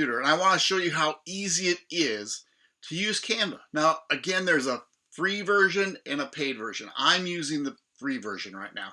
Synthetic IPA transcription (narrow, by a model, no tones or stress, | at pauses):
ʉɾə˞ɨ̃naɪwɑ̃nɨʃoʊjɨɦaʊiziɪɾɪz̥ | tʰɨjʉz̥kʰæ̃nvənaʊɨɡɛ̃nðə˞zə | θɹivɜ˞ʒɨ̃nɨ̃nəpʰeɪdvɜ˞ʒɨ̰̃nã̰ɪ̃mjʉzɪ̃ŋðɨ | θɹivɜ˞ʒɨ̃nɹaɪtⁿna̰ʊ